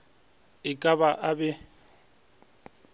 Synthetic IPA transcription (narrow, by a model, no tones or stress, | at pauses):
ɪkʼabaʔabɛ